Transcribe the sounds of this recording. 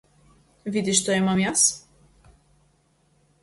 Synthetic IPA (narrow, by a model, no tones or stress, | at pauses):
vʲid̪ʲiʃt̪ɔɛmɐmjas